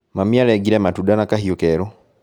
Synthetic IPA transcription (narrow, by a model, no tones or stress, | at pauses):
mamialɛɡiɾɛmatudanakahiokɛɾo